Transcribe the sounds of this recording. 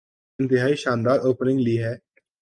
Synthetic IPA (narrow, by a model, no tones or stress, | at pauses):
nt̪ɪɦaːiːʃãːnd̪aːɾoːpnɪ̃ŋɡliːɦɛː